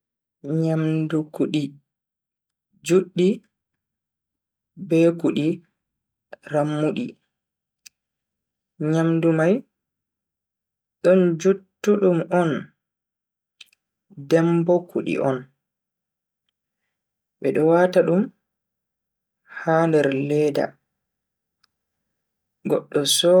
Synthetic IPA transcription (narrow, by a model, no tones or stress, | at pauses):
ɲamdukuɗi | d͡ʒuɗːi | bɛkuɗi | ramːuɗi | ɲamdumaj | ɗɔnd͡ʒutːuɗumɔn | dɛmbɔkuɗḭʔɔn | ɓɛɗɔwaːtaɗum | haːndɛɾlɛːda̰ | ɡɔɗːɔsɔ